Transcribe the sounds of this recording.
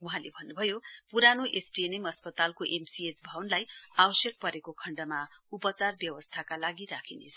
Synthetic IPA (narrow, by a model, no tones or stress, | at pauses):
uɦãlebʱʌnːubʱʌjopuɾanoʔesʈienemʌspʌt̪alkoʔemsiet͡sbʱʌwnlajabʌsjʌk̚pʌɾekokʰʌɳɖʌmaupʌt͡sarbjʌwʌst̪ʰakalaɡiɾakʰinḛt͡sʰʌ